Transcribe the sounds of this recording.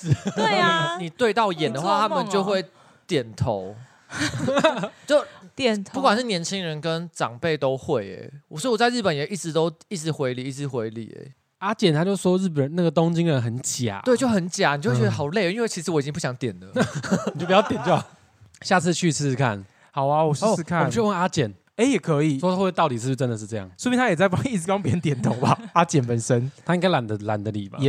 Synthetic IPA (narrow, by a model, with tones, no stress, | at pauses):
ni˨˩t̪we˥˧ɪt̪ɑ˥˨ʊjɛ˨˩nd̪ə˨xwa˥˧t̪ʰa˥mə˨nt͡ɕjo˥˧ʊxwe˥˩ɪ | t̪jɛ˨˩nt̪ʰo˨˧˦ʊ | t͡ɕjo˥˨ʊtʰpu˥˩kwa˨˩nʂ̬ɻ̩˥˩njɛ˧˥nt͡ɕʰi˦ŋɻə˧˦nkə˦nʈ͡ʂɑ̰˨˩ŋpe˥˩ɪt̪o˦ʊxwe˥˩ɪḛ˨˩˨swɔ˥i˨wɔ˨t͡sa˥˧ɪɻ̩˥˩pə˨njʔi˥˩ʈ͡ʂɻ̩˧˦t̪o˥ʊi˥˩ʈ͡ʂɻ̩˧˥xwe˧˥ɪli˨˩i˥˩ʈ͡ʂɻ̩˧˥˦xwe˧˦ɪlḭ˨˩ḛ˦ | a˦t͡ɕjɛ˨˩nt̪ʰa˧˥t͡ɕjo˥˩ʊswɔ˥ɻ̩˥˩p̬ə˨˩nna˥˩ɡə˩t̪o˥˦ŋt͡ɕi˦ŋɻə˧˦nxə˨˦nt͡ɕja̰˨˦e˥˨t͡ɕjo˥˩ʊxə˧˦nt͡ɕja˨˩n˨t͡ɕo˥˧wt͡ɕɛ˧˦ə˧xɑ˨˩ʊle˥˨˦i˦nwe˥˩ɪt͡ɕʰi˧˥ʂ̬ɻ̩˧˦wɔ˧˥˨t͡ɕi˦ŋp̬u˥˩ɕjɑ˧˦ŋt̪jɛ˨˩nlə˦˨t͡ɕo˥˩pi˩jɑ˥ʊt̪jɛ˨˩nt͡ɕjo˥˩a˨˩ | ɕja˥˧t͡sʰɹ̩˥˧t͡ɕʰy˥˧s̩˥˩˧kʰa̰˥˩n | ha˨ʊa˧wɔ˨˩ɔ˥˨˥kʰa˥˨˦y˥wna˦˥t͡ɕjɛ˨˩n | e˥˦jɛ˨˩kʰə˧˦i˨˩swɔ˥˧t̪ɑ˥˩ʊt̪i˨˩s̩ʰ˥˧˩ʈ͡ʂə˦nd̪ə˨ʂ̬̩˥˧ɤ˥˧jɑ̰˥˩ŋswɔ˥mi˨nʰa˥jɛ˨˩t͡sa˥ɪɑ˦˥ŋi˥˩t͡s̩˧˥wɑ˥˦ŋp̬jə˧˦nt̪̬jɛ˨˩˦nt̪ʰo˨˧˦ŋba˨˦a˦˥t͡ɕɛ˨˩npə˨nsə˦nt̪ʰa˥i˥ŋka˥la˨˦nd̪ə˨la˨˦nd̪ə˨lḭ˨˩ba̰˨